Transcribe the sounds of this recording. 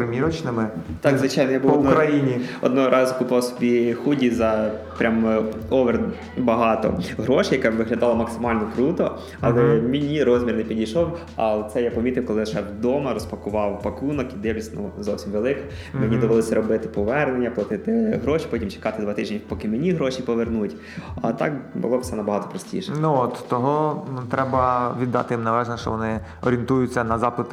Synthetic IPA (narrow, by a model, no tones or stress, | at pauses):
pɾɪmʲiɾɔt͡ʃnɪmɪt̪ɑkzʋɪt͡ʃɑjnɔjabuɔkɾɐjinʲiɔ̰d̪̚nɔɦɔɾʔɑzʊkʊpɑwsʲɔ̥bʲixudʲizɐpɾʲʔamɔʋɛr | bɐɦɑt̪ɔ̰ɦɾɔʃɪjɐkɛʋɪɦlʲɐd̪ɑlˠɐmɐksɪmɑlʲnɔkɾut̪ɔ | ɐlˠɛmʲɪnʲiɾɔzʲmʲirnepʲidʲijʃɔw | ɐ̰t̪sɛjapɔmʲit̪ɪwkɔlˠɪjʃɛwd̪ɔmɐɾɔspɐkʊʋɑwpɐkunɔkid̪ewʲlʲisʲnṵzɔwsʲimʋelˠɪkɐ̥ | menʲid̪ɔʋɪlˠɔsʲɐɾɔbɪt̪ɪ̥pɔʋɛrnenʲːɐplˠɐt̪ɪt̪ɪɦɾɔʃi̥pɔtʲimt͡ʃe̥kɑt̪ɪd̪ʋɑt̪ɪʒʲipɔkɪmenʲiɦɾɔʃipɔʋernutʲ | ɐ̰t̪ɑ̰kbʊ̰lˠɔbsɛnɐbɐɦɑt̪ɔ̥pɾɔsʲtʲḭʃɛnuɔt̪t̪ɔɦɔt̪ɾɛbɐʋʲid̪ːɑ̰t̪ɪjimnɐʋɛʒnɛʃt͡ʃɔ̰ʋɔnɪ | ɔɾʲiint̪ujʊt͡sʲːɐnɐzɑplˠɐt̪ɪ